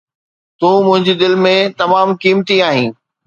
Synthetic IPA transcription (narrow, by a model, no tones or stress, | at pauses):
t̪ũːmʊ̃ɦɪ̃ɲd͡ʑid̪ɪlmẽt̪ɐmaːmkiːmt̪iaːɦĩː